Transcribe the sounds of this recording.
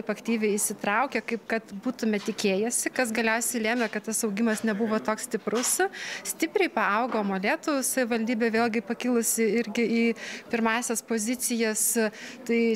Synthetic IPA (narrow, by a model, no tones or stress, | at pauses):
ɪpɐkt̪ʲiːʋʲɛɪɪʃʲsʲɪt̪ɾɐʊkʲɛkɐɪpkɐt̪buːt̪ʊmʲɛt̪ʲɪkʲeːjɛsʲɪkɐs̬ɡɐlʲɛʊsʲɛɪlʲæːmʲɛkɐt̪t̪ɐsɐʊɡʲɪmɐsnʲɛbuʋoːt̪oːkssʲt̪ʲɪpɾʊssʲt̪ʲɪpʲɾʲɛɪpɐɐʊɡoːmoːlʲeːt̪ʊʋʊssɐʋʲɪʋɐlʲd̪ʲiːbʲeːʋʲeːlˠʲɡʲɪpɐkʲɪlˠʊsʲɪɪɾʲɡʲɪiːpʲɪrmɑːsʲɛspoːzʲɪt͡s̪sʲɪjɛst̪ɐɪ